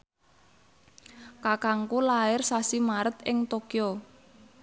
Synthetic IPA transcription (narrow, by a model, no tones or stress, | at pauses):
kakaŋkulaɪrsasimaɾət̪ɪŋt̪okio